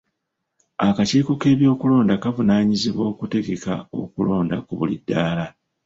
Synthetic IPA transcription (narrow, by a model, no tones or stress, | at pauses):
akaciːkoke̞ːβjo̞ːkulo̞ːndakavunaːɲiziβwo̞ːkute̞ɡe̞ka̰o̞̰kulo̞ːndakuβulidːaːla